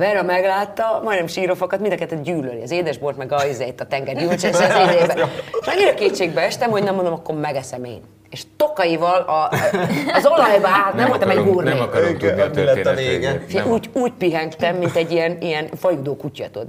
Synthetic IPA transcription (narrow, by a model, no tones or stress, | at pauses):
vɛɾɒmɛɡlaːt̪ːɒmɒjnɛmʃiːɾo̞fɒkɒt̪mind̪ɒkɛt̪ːɛd̪ɟyːløliɒzeːd̪ɛʒbort̪mɛɡɒizɛet̪ːɒt̪ɛŋɡɛɾjuːnt͡ʃɛssɛzeːdd̪eːbɛeʃɒɲːiɾɒkeːt̪ʃeːɡbɛɛʃt̪ɛmho̞ɟnɛmnd̪omɒkːo̞rmɛɡɛsɛmḛːn | eʃt̪okɒjivɒlɒː | zo̞lɒjbɒaːlt̪nɛmvolt̪ɒmɛbuːrnikɾlɛt̪ːveːɡɛfijɛʔuːɟuːcpiɦɛŋkt̪ɛmːint̪ɛɟːijɛnijɛnfɒjud̪oːkucːɒ̰t̪ud̪